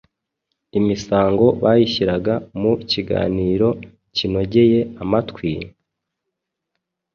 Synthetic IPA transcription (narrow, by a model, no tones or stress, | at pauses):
imisaːŋɡo̞βajiçiɾaɡamuciɡa̰ːniːɾo̞ | cino̞ɟe̞je̞amatkwi